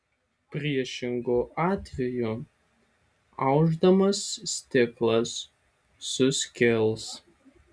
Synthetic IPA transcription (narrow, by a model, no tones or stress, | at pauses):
pʲɾʲiɛʃʲɪŋɡoʔɑːt̪ʲʋʲɛju | ɑʊʒd̪ɐmɐst̪ʲɪklˠɐsː | ʊsʲkʲɪlˠs